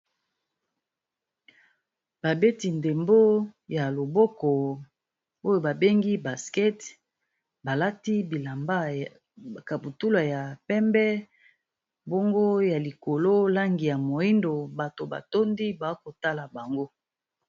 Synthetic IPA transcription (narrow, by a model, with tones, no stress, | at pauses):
ba˨be˦ti˨nde˨mbo˦ja˨lo˨bɔ˦kɔ˨ | o˦jo˨ba˨be˦ŋɡi˦ba˨skɛ˦t | ba˨la˦ti˦bi˨la˨mba˦ | ka˨bu˨tu˦la˨ja˨pɛ˦mbɛ˦ | bo˦ŋɡo˦ja˨li˨ko˨lo˦la˦ŋɡi˨ja˨mo˨i˦ndo˨ba˨to˨ba̰˨to˦ndi˦ba˨˦ko˨ta˦la˨ba˨ŋɡo˦